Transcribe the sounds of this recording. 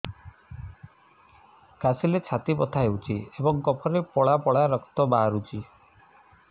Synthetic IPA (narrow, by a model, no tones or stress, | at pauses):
kasilet͡ʃʰat̪ipɔt̪ʰaɦewt͡ʃʰiebɔŋkɔpʰɔɾepɔɭapɔɭaɾɔkt̪ɔbaɾut͡ʃʰi